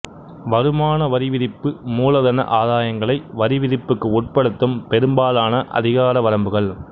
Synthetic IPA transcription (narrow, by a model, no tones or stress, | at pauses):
ʋɐɾɯmaːnɐʋɐɾɪʋɪɾɪpːɯmuːlɐðɐnɐ̰ʔaːðaːjɐŋɡɐɭɐɪʋɐɾɪʋɪɾɪpːɯkːɯʊʈ̚pɐɽɯt̪ːɯmpɛɾɯmbaːlaːnɐʔɐ̰ðɪɣaːɾɐʋɐɾɐmbɯɣɐɭ